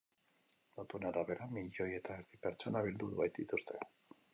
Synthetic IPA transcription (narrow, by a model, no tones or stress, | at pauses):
lot̪unaɾaβe̞ɾamiʎo̞je̞t̪aeɾðipe̞ɾt͡ʃo̞naβild̪uðuβajt̪d̪it̪ust̪ʰe̞